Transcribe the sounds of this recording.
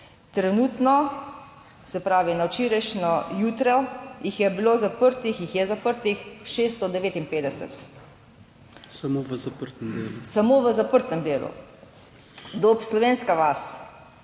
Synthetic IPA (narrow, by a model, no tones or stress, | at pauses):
t̪ɾɛnuːt̪nɔ | sɛpɾaːʋinawt͡ʃiːɾɛʃnɔjuːt̪ɾɔjixjɛbiloːzapəɾt̪ixjixjɛzapəɾt̪ixʃeːst̪ɔd̪ɛʋeːt̪inpeːd̪ɛsə̰t̪ | samoʋəzɐpəɾt̪əmd̪eːlusamoːʋəzapəɾt̪əmd̪eːlṵ | d̪opslɔʋeːnskaʋas